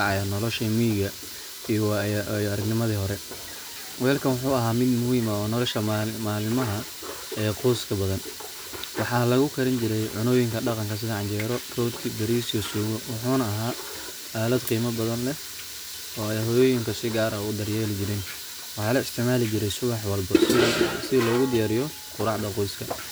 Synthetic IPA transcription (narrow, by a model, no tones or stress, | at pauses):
ʕɑjanɔlɔʃimiːɣɐ | ijɐɾɐɡnɪmɐðiːɦɔɾɛ | wɛːlkʰɐnwʊħuːɐɦaːmɪd̪mʊhiːmɐɔːnɔlɔʃɐmaːlmɐɦɐ | ɛːqʰuːskʰɐbɐðɐn | wɑħɑːlɐɣʊkʰɐɾɪnt͡ʃɪɾɛjʕʊnɔːjɪŋkʰɐɖɑqɑŋkʰɐs̬ɪðɐʕɑnt͡ʃɛːɾɔrɔːd̪kʰibɐɾiːsjɔsuːɣɔwɑħuːnɐːɦaː | aːlɐd̪qiːmɐbɐðɐnlɛ | ɔːɛjɦɔːjɔːjɪŋkʰɐsɪɡaːɾɐʊd̪ɐrjɛːlɪt͡ʃɪɾɪn | wɑħɑːlɐɪst̪ʰɪʕmaːlɪt͡ʃɪɾɛjsʊwɑħwɐlbɐsɪlɔːɣʊd̪ɪjaːɾɪjɔ | qʊɾɑħd̪ɐqɔjskʰɐ